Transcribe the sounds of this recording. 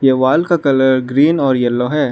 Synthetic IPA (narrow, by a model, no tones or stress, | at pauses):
jeʋaːlkakɐləɾɡɾiːnɔːɾjɛlːoɦɛː